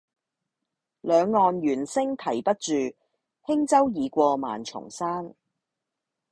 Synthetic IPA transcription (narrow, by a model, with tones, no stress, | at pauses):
lœː˨˧ŋːɔː˨˧nɥyː˨˩nsɪ˥ŋt̪ʰɐ˨˩jpɐ˥t̚t͡ʃyː˨ | hɪ˥ŋt͡sɐ˥wjiː˨˧kʷɔː˧ma̰ː˨˩nt͡ʃʰʊ̰˨˩ŋsaː˥n